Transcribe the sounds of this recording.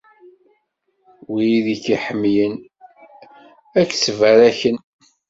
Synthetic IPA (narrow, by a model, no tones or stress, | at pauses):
wijiðikiħəmːjən | ækːsvæɾæçən